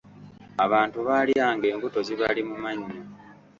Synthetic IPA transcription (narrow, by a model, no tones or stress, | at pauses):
aβaːntuβaːliaːŋɡe̞ːŋɡuto̞ziβalimumaɲːo